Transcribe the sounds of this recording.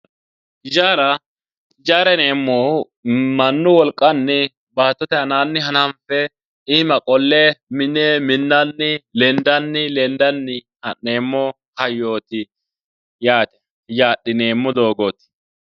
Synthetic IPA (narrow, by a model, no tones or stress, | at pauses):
ɪd͡ʒaːɾɐ | ɪd͡ʒaːɾɛneːmːoː | mɐnːʊwɔlkʼːɐnːɪ | baːt̪ːɔt̪ɛhɐnaːnːɪɐnɐmfɛ | ɪmɐkʼɔlːemɪnɛmɪnːɐnːɪlɛnd̪ɐnːɪlɛnd̪ɐnːɪ | hɐne̞ːmːɔ | hɐjːo̞ːt̪ɪ | jaːt̪ɛ̥ | jaːɗɪne̞ːmːɔd̪o̞ːɡoːt̪ɪ̥